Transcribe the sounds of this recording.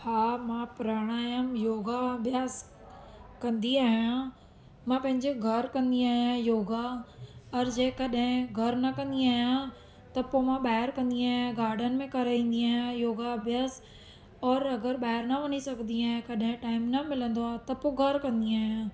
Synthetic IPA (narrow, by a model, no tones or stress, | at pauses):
haːmãːpɾaːɽ̃aːjəmjoːɡabjaːz | kɐ̃nd̪iaːɦɪjã | mãpɐ̃ɦɪ̃ɲd͡ʒeɡʱɐɾkɐ̃nd̪iaːɦjãjoːɡaɔːɾd͡ʒeːkɐɗɦɪ̃ɡʱɐɾnɐkɐ̃nd̪iaːjã | t̪ɐpomãɓaːɦɪɾkɐ̃nd̪iaːɦjãɡaːɾɖənmẽkɐɾaːĩːnd̪iaːɦjãjoːɡabjaːs | ɔːɾɐɡəɾɓaːɦɪɾnɐʋɐnisɐkʰnd̪iaːɦãkɐɗɦɪ̃ʈaːɪmnɐmɪlə̃nd̪oaːt̪ɐpːoɡʱɐɾkɐ̃nd̪iaːɦjã